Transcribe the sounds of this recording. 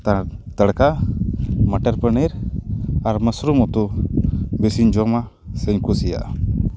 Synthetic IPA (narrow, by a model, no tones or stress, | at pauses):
t̪at̪əɽka | məʈəɾpəniɾ | aɾməsɾumɔt̪u | besiɲd͡ʒɔma | səɲkusija̰ʔ